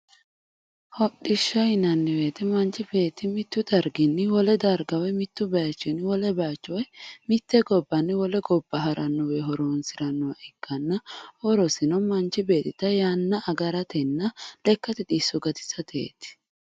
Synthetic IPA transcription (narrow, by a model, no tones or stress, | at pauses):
hɔɗɪʃːɐɪnɐnːɪwe̞ːt̪ɛmɐnt͡ʃɪbe̞ːt̪ːɪmɪt̪ːʊd̪ɐɾɡɪnːɪwɔlɛd̪ɐɾɡɐwɛmɪt̪ːʊbɐat͡ʃːɪnɪwɔlɛbɐat͡ʃːɔwɛmɪt̪ːɛɡɔbːɐnːɪwɔlɛɡɔbːɐɦɐɾʔɐnːɔweɦɔɾoːnsɪɾɐnːɔwɐʔɪkːɐnːɐwɔɾɔsɪnɔmɐnt͡ʃːɪbe̞ːt̪ːɪt̪ɐjanːɐʔɐɡɐɾɐt̪ɛnːɐlɛkːɐt̪ɪt̪isʊɡɐt̪ɪ̥sɐt̪ʰḛːt̪ɪ̥